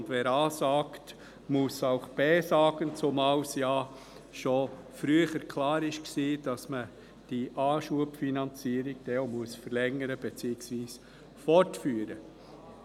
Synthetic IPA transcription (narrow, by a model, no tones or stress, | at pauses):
ndʋɛːɾɑːsɑːkt | musaʊχb̥ɛːsɑːɡ̥ənt͡sʊmɑwsjɑː | ʃo | fɾyːəχəɾkʰlɑːɾɪʃksiːd̥ɑsmə | d̥iʔɑːʃuəpfinɑnt͡siːəɾiɡd̥ɛomuəsfəɾlɛŋəɾəb̥et͡siːɪksʋiːs | fɔɾtfyːɾə